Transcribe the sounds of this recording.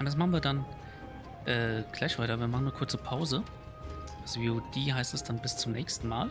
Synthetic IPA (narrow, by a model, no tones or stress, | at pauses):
ʔʊntd̥asmaχn̩viːɐdan | ʔɛːɡ̥l̥aɪçv̥aɪtɐviːɐmaχn̩əkʰʊɐt͡səpʰaʊzə | asviːodeːɦaɪstɛsd̥anbɪst͡sʊmnɛːçstn̩ma̰ːl